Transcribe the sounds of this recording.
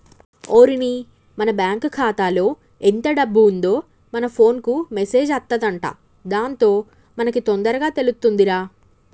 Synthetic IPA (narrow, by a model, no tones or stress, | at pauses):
oːɾini | mɐnɐbjaːŋkkʰaːt̪aːlo̞ː | ɛnt̪ɐɖɐbːuːnd̪o̞ː | mɐnɐpʰo̞ːnkumese̞ːd͡ʒɐt̪ːɐd̪ɐɳʈa̰ː | d̪aːnt̪o̞ː | mɐnɐkit̪ond̪ɐɾɐɡaːt̪e̞lust̪ːund̪iɾaː